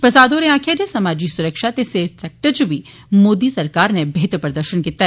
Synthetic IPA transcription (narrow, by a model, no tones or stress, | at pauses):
pɾɐsaːd̪oːɾeãːkʰjad͡ʒesɐmaːd͡ʒisʊɾəkʃat̪eseːsɛːk̚ʈəɾt͡ʃubʱi | moːd̪isɐɾkaːɾnebeɦt̪ɾpɾəd̪əɾʃənkiːt̪a